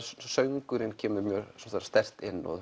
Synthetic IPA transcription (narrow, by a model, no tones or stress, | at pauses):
sœŋkʏɾɪncʰɛːmʏɾmjœːɾsɔmθaːɾst̪ɛr̥t̪ɪnːɔ̰ð